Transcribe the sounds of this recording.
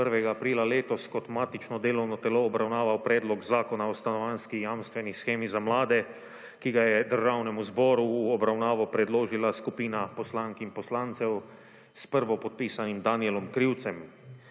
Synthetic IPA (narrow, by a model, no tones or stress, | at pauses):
pəɾʋɛɡaːpɾiːlaleːt̪ɔskɔt̪maːt̪it͡ʃnɔd̪eːlɔwnɔt̪ɛloːbɾawnaːʋawpɾɛːd̪lɔɡzaːkɔnaɔst̪anɔʋanskijamst̪ʋɛnisxeːmizamlaːd̪ɛ | kiɡajɛd̪əɾʒaːwnɛmuzbɔːɾuːɔbɾawnaːʋɔpɾɛd̪loːʒilaskupiːnapɔslaːŋkinpɔslaːnt̪sɛw | spəɾʋɔpɔt̪̚piːsanimd̪aniɛlɔmkɾiwt̪sɛm